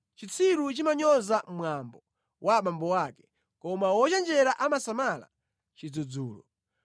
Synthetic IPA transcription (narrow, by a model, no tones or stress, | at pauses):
t͡ʃit͡sʰiɾut͡ʃimaɲɔzammwambɔ | waɓambɔwaːkɛ̥ | kɔmawɔt͡ʃand͡ʒɛɾaʔamasamala̰ | t͡ʃid͡zɔd͡zuːlɔ̰